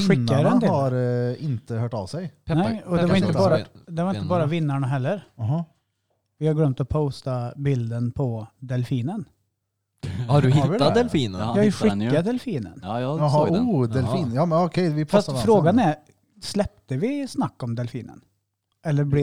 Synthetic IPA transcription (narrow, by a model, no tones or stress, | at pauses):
ɧɪk̪ːaɾɛnd̪eaɾɪnt̪əhøːʈɑ̰ʋsɛjnɛɪɔd̪ɛvaɾɪnəbɑːɾad̪ɛvaɾɪnt̪əbɑːɾavɪnːaɳaɦɛlːəɾɦɑ | vɪhaɾɡlœmt̪ɔpʰoʊst̪abɪld̪ənpʰɔd̪ɛlfiːnən | hadɪad̪ɛlfiːnəjɑːjɧɪk̪ːad̪ɛlfiːnə̰nɦɑuːd̪ɛlfiːnjɑːmnɔkʰɛjʋɪfɾast̪fɾoːɡanɛɾ | slɛp̚t̪əvɪsnakːɔmd̪ɛlfiːnə̰n | ɛlːəɾbl